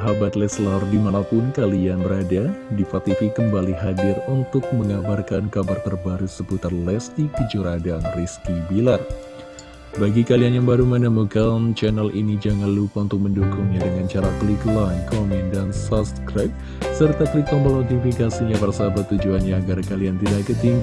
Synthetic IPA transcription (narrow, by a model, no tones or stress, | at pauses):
ɦabat̪lɛslardimanapʊnkalianbəɾadadifat̪ifikəmbaliɦadɪrunt̪ʊk̚məŋabarkankabart̪ərbaɾusəbut̪arlɛsdikəd͡ʒuɾadanriskibilar | baɡikalianjaŋbaɾumanamukamt͡ʃɛnəlinid͡ʒaŋanlupaunt̪ʊk̚məndukʊŋɲadəŋant͡ʃaɾakliklankɔmɛndansɔsskɾap̚ | sərt̪akliklɔŋbəlɔɡifikasiɲabərsabat̪ːud͡ʒuanɲaːɡarkaliant̪idaʔkət̪iŋɡ